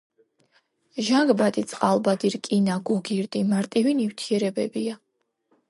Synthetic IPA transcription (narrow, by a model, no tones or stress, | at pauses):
ʒaŋɡbat̪ʼit̪sʼqʼalˠbad̪iɾkʼinaɡɔɡiɾd̪ʼimaɾt̪ʼiviniwt̪ʰiɛɾɛbɛbia